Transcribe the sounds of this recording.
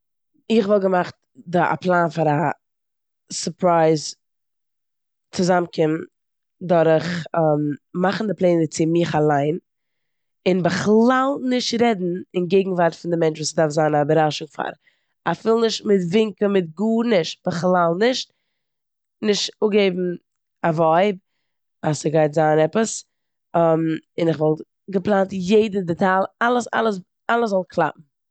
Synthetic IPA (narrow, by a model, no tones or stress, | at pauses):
ɪχvɔlˠɡəmaχt̚ | da̰pʰlˠaːnfaɾa | səpɾaɪz | t͡sɪzamkʰɪm | dɔɾəχəmmaχn̩dɪplˠeːnət͡sɪmɪχalˠaɪn | ɪnbəχlˠalˠnɪʃtɾɛdn̩ɪnɡeɪɡŋ̩vaɾtfɪndɪmɛnt͡ʃvuːsədaɾfzaːnabəɾaʃʊŋfa̰ɾ | afɪlˠnɪʃtmɪtvɪŋkəmɪtɡuːnɪʃt̚b̥əχlˠalˠnɪʃt | nɪʃtʊɡeɪbm̩ | avɔɪb̚ | asəɡaɪtzaːnɛpəs | mɪnɪχvɔlˠ | ɡəplˠantjeɪdn̩dɛtalˠalˠəsa̰lˠəs | alˠəszɔlˠkʰlˠa̰p̚m̩